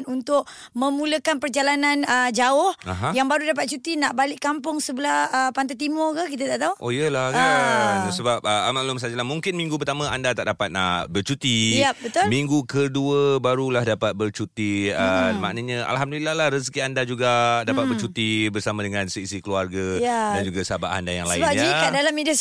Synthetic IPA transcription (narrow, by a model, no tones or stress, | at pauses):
nunt̪ʊʔ | mə̃muləkanpərd͡ʒalananəd͡ʒaʊhaɦãjaŋbaɾudap̬at̪̚t͡ʃut̪inaʔbalɪʔkampʊŋsəbəlahəpant̪at̪imʊrkək̬it̪ət̪aʔt̪auʔojəlakasəbap̚əmaʔlʊmsad͡ʒəlahmuŋkɪnmĩŋɡupərt̪amãandat̪a̰ʔ̚dapat̪̚abərt͡ʃut̪iabət̪ʊmiŋɡukəduəbaɾulahdapat̪̚bərt͡ʃut̪iəma̰ʔnəɲə̃ʔa̰lɦamdulilahlahrəs̬kiandad͡ʒuɡadapat̪̚bərt͡ʃut̪ibərsamãdəŋãnsəisikəluarɡaadand͡ʒuɡasaba̰ʔha̰ndajaŋlaibaikadalamidas